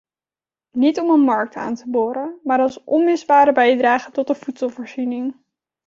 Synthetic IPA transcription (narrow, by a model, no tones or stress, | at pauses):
nitɔmənmɑɹk̚ta̰ːntəboːɾəmaːɹɑlˠsʔɔnmɪzbaːɾəbɛjdraːχətɔtdəfutsɔlˠvoːɹzinɪŋ